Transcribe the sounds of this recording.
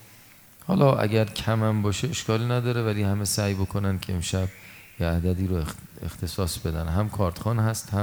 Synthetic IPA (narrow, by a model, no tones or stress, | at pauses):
hɒ̰ːlɒːʔæ̰ɟʲæɾcʰæmæmbɒːʃeeʃkɒːliːnæd̪ɒːɾevæliːhæmesæːjbo̞kʰo̞nænd̪cʰeemʃæbjeæd̪æd̪iːɾoext̪ʰe̞sɒːsb̥e̞d̪ænɦæmkʰɒːɾt̪ʰxɒːnhæst̪hæ